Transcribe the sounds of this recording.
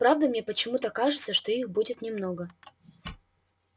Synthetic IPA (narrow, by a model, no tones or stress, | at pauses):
pɾavd̪əmnʲepət͡ɕɪmut̪əkaʐɨt̪səʂt̪o̞ixbudʲɪt̪nʲɪmnoɡə